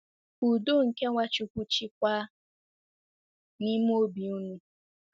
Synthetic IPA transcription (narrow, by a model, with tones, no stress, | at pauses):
u˨do˦ŋ̩˨ke˦ŋʷa˦t͡ʃu˦kʷu˦t͡ʃi˦kʷa˦ | ni˦m̩˦o˦bi˨u˦nu˦